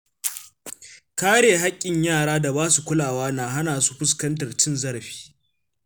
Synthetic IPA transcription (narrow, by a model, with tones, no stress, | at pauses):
kaː˦ɽeː˨ɦa˦kʲʼːɪ˨ɲjaː˦˨ɽaː˦da˨baː˦su˨kʷʊ˦laː˨waː˦naː˨ɦa˦naː˨su̥˦ɸʊ˦s̬kɐ˦ntɐ˨rt͡ʃɪ˦nzɐ˦ɽɸi̥ː˦